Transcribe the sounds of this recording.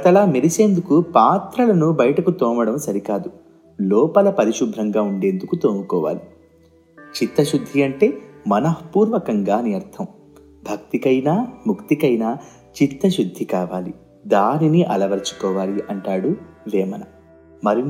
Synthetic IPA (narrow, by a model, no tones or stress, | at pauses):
ɐt̪ɐlaːmiɾise̞ːnd̪ukupaːt̪ɾɐlɐnubɐjɐʈɐkut̪ɔːmɐɽɐmsɐɾikaːd̪u | lɔːpɐlɐpɐɾiʃub̪ʱɾɐŋɡaːuɳɖe̞ːnd̪ukut̪oːmukɔːʋa̰ːli | t͡ʃit̪ːɐʃud̪ʱːiɐɳʈe̞ːmɐnɐɦpuːɾʋɐkɐŋɡaːnijɐɾt̪ʰɐm | bʱɐk̚t̪ikɐjnaːmukt̪ikɐjnaː | t͡ʃit̪ːɐʃud̪ʱːikaːʋaːli | d̪aːniniʔɐlɐʋɐɾt͡ʃu̥kɔːʋaːliʔɐɳʈaːɽulɛːmɐnɐ | mɐɾi